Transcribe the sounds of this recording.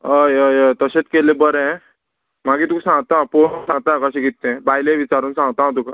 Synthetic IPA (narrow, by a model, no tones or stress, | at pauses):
əjəet̪əɕet͡skelebəɾɛ̃ | m̤aɡiːt̪uksãŋɡt̪apousãŋɡt̪akəɕĩɡit̪ːẽbajlẽʋit͡ɕaɾuːnsãŋɡt̪ãt̪̬uka